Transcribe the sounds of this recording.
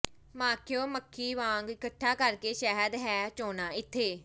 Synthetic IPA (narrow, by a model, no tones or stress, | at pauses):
mãːkʰɪjoːməkʰːiːʋãːŋɡɪkəʈʰːaːkəɾkeːʃɛɦəd̪ɦɛːt͡ʃoːnaːɪt̪ʰːeː